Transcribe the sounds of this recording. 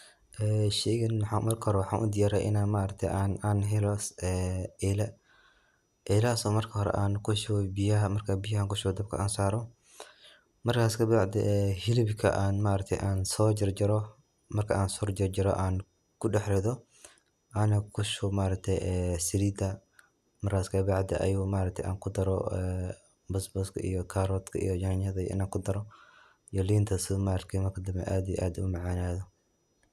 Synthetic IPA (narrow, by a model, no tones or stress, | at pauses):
ʔɛːʃɛɣɐnwħɑmɐrkʰɐhɔɾɛwɑħɑːnʔʊ̰d̪ɪjaːɾɛjʔɪ̰naːnmaʔɾɐk̚t̪ʰɛ̰jʔaːnaːnɦɛlɔsɛːɛlɛ | ʔɛlasɔːmɐrkʰɐhɔɾɛ̰ʔaːnkʰʊʃɔbɪjɐmɐrkʰabɪjɐhaːŋkʊʃɔwd̪ɐb̚kʰɐ̰ʔaːnsaːɾɔ | mɐrkʰaːskʰɐbaʕd̪ɛ̰ʔɛhɪlɪbkʰɐ̰ʔaːnmaʔɾɐk̚t̪ʰɛjʔaːnsɔːd͡ʒɪrd͡ʒɪɾɔ | mɐrkʰɐaːnsɔrd͡ʒɪrd͡ʒɪɾɔ̰ʔaːn | kʰʊɖɐħɾɛðɔ | ʔanɐkʰʊʃʊmaːɾɐk̚t̪ʰɛjɛsɪliːd̪ɐ | mɐrkʰaːskʰɐbaʕd̪ɛʔɐ̰juːmaːɾɐk̚t̪ʰɛ̰jʔa̰ːŋkʰʊd̪ɐɾɔɛ | bɐsbɐskʰɐ̰ʔḭjɔkʰaːɾɔːt̪kʰɐ̰ḭjɔjɐɲɐðɐɪ̰naːkʰʊd̪ɐɾɔ | jɔliːnt̪ʰɐsɪmaːɾɐkt̪ʰɛmɐrkʰɐd̪ɐmbɛ̰ʔaːd̪ijɛ̰ʔaːd̪ʊmɐʕaːnaːðɔ